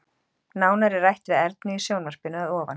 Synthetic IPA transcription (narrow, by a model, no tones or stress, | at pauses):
naːwnaɾɪrːajht̪ɾɪðɛɾt̪nʏisjoːwnvaspɪnʏaðɔːvan